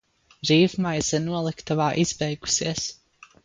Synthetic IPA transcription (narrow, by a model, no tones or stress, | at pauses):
ɾiːvmajzɛnuɔlˠikt̪avaːʔiz̥bɛjɡu̥siɛs